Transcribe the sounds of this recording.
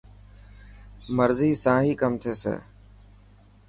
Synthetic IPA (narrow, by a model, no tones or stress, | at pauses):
məɾziːsãːɦiːkəmt̪ʰeːsḛː